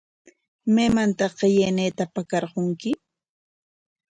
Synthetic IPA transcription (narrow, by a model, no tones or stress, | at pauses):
meːmant̪ɑɢejeneːt̪apakɑɾqoŋkɪ